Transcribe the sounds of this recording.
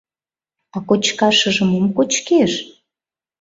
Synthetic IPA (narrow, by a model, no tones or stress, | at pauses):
ɑkot͡ɕkɑʃəʒə̆memkot͡ɕkeʃ